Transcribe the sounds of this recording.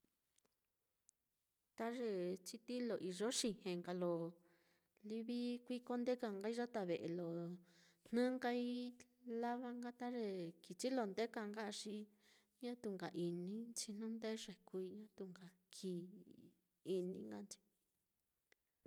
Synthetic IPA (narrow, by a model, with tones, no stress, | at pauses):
t̪a˦ʐe˧t͡ʃi˧t̪i˦lo˨ʔi˧ʐo˦ʂi˧hẽ˨ŋɡa˧lo˨ | li˧βi˦kʷi˦ko˦nd̪e˦ka˧ŋɡa˦i˦ʐa˦t̪a˧βe˨ʔe˧lo˨ | n̥nã˦ŋɡa˧i˦la˦βa˦ŋɡa˦t̪a˦ʐe˧ki˨t͡ʃi˦lo˧˨nd̪e˦ka˧ŋɡa˦˧ʂi˧˦ | ɲã˦t̪u˧ŋɡa˨ʔi˨nĩ˦t͡ʃi˧n̥ũ˦nd̪e˦ʂe˨ku˧i˧ɲã˦t̪u˧ŋɡa˨ | kʰi˧˨ | i˧nĩ˧˦ŋɡa˦nt͡ʃi̥˧